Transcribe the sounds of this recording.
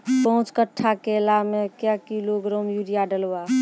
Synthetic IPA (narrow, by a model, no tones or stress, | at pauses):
pəɦũt͡ʃkəʈʰːakelamekjakiloɡɾɔmjuɾijaɖəlba